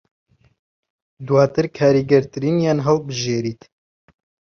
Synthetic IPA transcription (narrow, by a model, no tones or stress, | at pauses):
d̪waːt̪ɨɾkʰaːɾiːɡɛɾt̪ɨɾiːnjaːnɦɛlbɨʒeːɾiːt̪